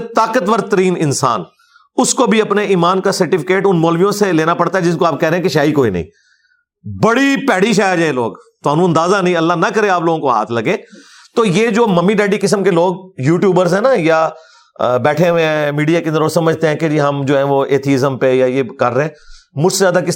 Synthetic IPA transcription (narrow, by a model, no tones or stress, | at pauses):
t̪aːkət̪ʋəɾt̪əɾiːnɪnsa̰ːn | ʊskobʱiɐpneʔiːmaːnkasɐɾʈɪfʰɪ̥keːʈʊnmɔːlʋijõseleːnapɐɽt̪aɦɛd͡ʒɪskoaːp̚kɛɦɾẽɦɛ̃keʃaːikoːinɐ̰ḭ̃ː | bɐɽipɛːɽiʃ̬aːjaɾd͡ʒaːeloːɡ | t̪oaːnũɐ̃nd̪aːzanɐɦĩɐlːanɐkəɾẽaːploːɡõkoɦa̰ːt̪ʰlɐɡẽː | t̪oːjeːd͡ʒoːmɐmːiɖɛːɖikɪs̬əmkeloːɡjuːʈjuːbəɾzɦɛ̃ːnaja | bɛːʈʰeʋẽmiːɖijakẽnd̪əɾoːsɐməd͡ʒʱt̪eɦɛ̃ked͡ʒiɦɐmd͡ʒoːɦɛ̃ʋoeːt̪ʰiɪzəmpejajekɐɾːeɦẽːmʊd͡ʒsezjaːd̪akɪs